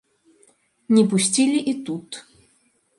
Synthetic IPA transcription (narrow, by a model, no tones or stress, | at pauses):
nʲipʊsʲt͡sʲilʲiʔit̪ut̪